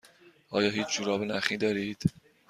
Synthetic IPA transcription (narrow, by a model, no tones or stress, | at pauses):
ʔɒːjɒːɦiːt͡ʃʰd͡ʒuːɾɒːbenæχiːd̪ɒːɾiːd̪̥